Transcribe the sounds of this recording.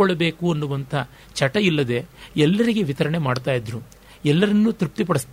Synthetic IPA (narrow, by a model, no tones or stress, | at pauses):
ɔɭːɐbe̞ːkuɐnːuʋɐnt̪ʰɐ | t͡ʃɐʈɐilːɐd̪e̞ɛlːɐɾiɡe̞ʋit̪ɐɾɐɳe̞maːɽt̪aːjid̪ɾu | ɛlːɐɾɐnːut̪ɾp̚t̪ip̬ɐɽist̪ː